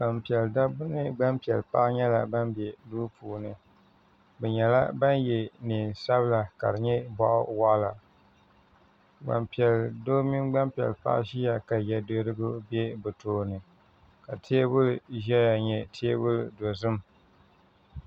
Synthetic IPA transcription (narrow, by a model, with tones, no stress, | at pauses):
ba˨mpi˨ɛ˨lda˦bʊ˦nɨ˦ɡ͡ba˦mpi˨ɛ˨lpa̰˦ʔɲɛ˦la̰˨ba˦mbɛ˨duː˦puː˨nɨ˨ | bɛ˨ɲɛ˨la̰˦ba˦njɛ˨ni˨nsa˦βɨ˦la˨ka̰˨ɾɨ˨ɲɛ˦bɔ˦ʔwa˦ʔla˨ | ɡ͡ba̰˨mpi˨ɛ˨ldo˦mi˦nɡ͡ba˦mpi˨ɛ̰˨lpa̰˦ʔʃi˦ja˨ka˨jɛ˨do˦ɾɨ˦ɡʊ˦bɛ˦bɨ˨toː˦nɨ˨ | ka˨tʰeː˦bʊ˦lʒɛ˦ja˨ɲɛ˨tʰeː˦bʊ˦ldo˨zɨ˦m